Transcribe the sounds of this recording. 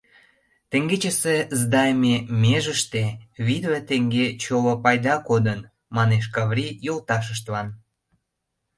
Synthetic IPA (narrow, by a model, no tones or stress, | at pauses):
t̪eŋɡet͡ɕəsezd̪ɑjmemeʒəʃt̪eβid̪βet̪eŋɡet͡ɕolopɑjd̪ɑkod̪ən | mɑneʃ̬kɑβrʲijolt̪ɑʃ̬əʃ̬t̪βɑn